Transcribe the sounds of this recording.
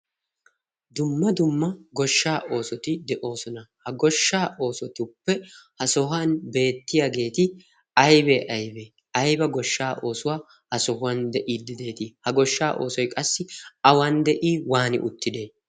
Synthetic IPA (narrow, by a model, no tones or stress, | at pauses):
d̪ʊmːɐd̪ʊmːɐɡɔʃːaːʔo̞ːsɔt̪ɪd̪ɛʔo̞ːsɔnɐhɐɡɔʃːaːʔo̞ːsɔt̪ɪʊpːɛhɐsɔɦanbe̞ːt̪ːɪjaɡe̞ːt̪ɪ | ɐjbeʔɐjbeː | ɐjbɐɡɔʃːaːʔo̞ːsʊwaː | hɐsɔhʊwɐnd̪ɛʔiːd̪ːɪd̪e̞ːt̪ɪhɐɡɔʃːaːʔo̞̰ːsɔjkʼɐsːɪɐwand̪ɛʔiːwaːnɪ̰ʔʊ̰t̪ːɪd̪eː